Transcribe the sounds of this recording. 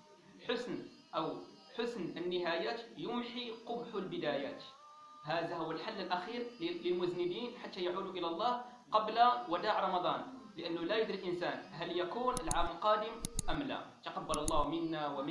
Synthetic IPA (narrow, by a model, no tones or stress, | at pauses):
lħʊsn | ʔəw | ħʊsnənːəɦæjaːt̪jʊmħiqʊbħʊlbɪd̪æjæːt̪ | ɦæd̪aɦʊwːəlħalːəlʔæxiːɾlləlmʊznəd̪iːnħat̪ːæjaʕuːd̪uʔəlælˤːɑh | qɑblawæd̪aʕɾˤɑmɑd̪ˤɑn | ləʔənːʊlæjəd̪ɾilʔənsænɦæljakuːnəlʕaməlqɑːd̪əmʔəmlæ̰t̪ɑqɑbːɑlɑlˤːɑhmənːawəm